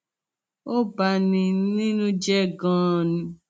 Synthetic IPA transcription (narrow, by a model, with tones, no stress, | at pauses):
o˦ba˧nĩ˧˦nĩ˦nũ˦d͡ʒɛ˦˨ɡãː˦˨nĩ˧